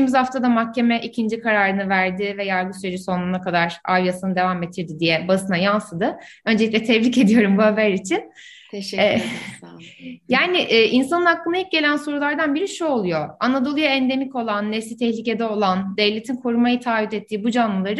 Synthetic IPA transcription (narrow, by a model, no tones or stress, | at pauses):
imizhaft̪ʰad̪amahcʰe̞mɛʔicʰind͡ʒikʰaɾaːɾɯnɯvæɾd̪ɪvɛjaɾɡɯsyɾed͡ʒiso̞nunakad̪aɾavjasɯnɯd̪e̞vamet̪ʰiɾd̪id̪ijɛbasɯnajansɯd̪ɯ | ø̞nd͡ʒeic̚ʲlʲɛt̪ʰɛvlice̞d̪ijo̞ɾumbuhabæɾit͡ʃʰinː | jaːnɪʔːʔinsanɯnaklˠɯnajip̚ɟe̞lʲænso̞ɾulˠaɾd̪anbiɾiʃuo̞lˠujo̞anad̪o̞lˠujaɛnd̪e̞mico̞lˠanːɛfslʲit̪ʰɛhlʲice̞d̪ɛo̞lˠand̪evlʲe̞t̪ʰinkʰoɾumajɯt̪ʰaːvid̪ɛt̪ʰːiːbud͡ʒanlˠɯlˠaɾɯ